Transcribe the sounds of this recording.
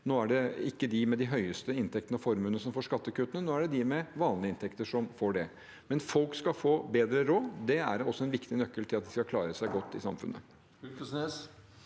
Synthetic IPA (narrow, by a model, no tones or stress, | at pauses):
noːæɖɛɪkːəd̪ɪmɛd̪ɪɦœʏəst̪əɪnt̪ʰɛk̚t̪ənəɔfɔɾmʉːnəsɔmfoːʂkɑt̪ːəkʉːt̪ənənoːæɖɛd̪ɪmɛʋɑːnlɪəɪnt̪ʰɛkt̪əʂɔmfoːɖɛ | mɛnfɔlkskɑfoːbeːd̪ɾəɾoːd̪ɛæ̰ɾɔsːɔɛnʋɪkt̪ɪnœkːəlt̪ʰɪlɑt̪̚d̪ɪskɑkʰlɑːɾəsæɪɡɔt̪ːɪsɑmfʉ̰nːə̰ | ksneːs